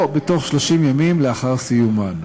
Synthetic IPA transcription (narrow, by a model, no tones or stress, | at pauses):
beto̞χʃlo̞ʃimjamimleaχaʁsijuman